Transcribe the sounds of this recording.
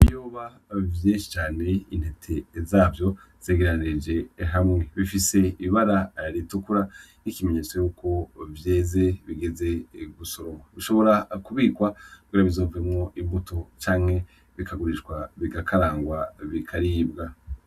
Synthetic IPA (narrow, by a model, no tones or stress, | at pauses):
joːβa | vjeːnʃi̥t͡ʃaːne̞inhetʰe̞zaːvjo̞ | z̥eɡeɾaned͡ʒe̞ɦamŋe̞βifise̞iβaɾaɾitukuɾanikimeɲeːt͡sojuːko̞vjeːze̞βiɡe̞ze̞ɡuso̞ɾo̞mwaβiʃo̞βo̞ɾakuβiːkwakuɡiːɾaβizo̞ːvuemŋo̞ʔimbutot͡ʃaːŋhe̞ | βikʰaɡuɾiʃɡwaβiɡakʰaɾaːŋɡwaβikʰaɾiːbɡa